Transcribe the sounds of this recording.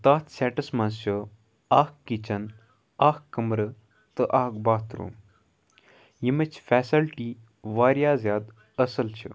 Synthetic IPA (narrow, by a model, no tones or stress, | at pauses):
t̪aːt̪sʲɛːʈɐsmɐnst͡ʃʰɨ | aːkkːit͡ʃʰɐn | aːkkːəmɾɨ | t̪ɨʔaːkbaːt̪ɾṵː | jimɐt͡ʃʰfɛːsɐlʈiː | ʋaːɾjaːzjaːd̪ | ɐsɐlt͡ʃʰḭ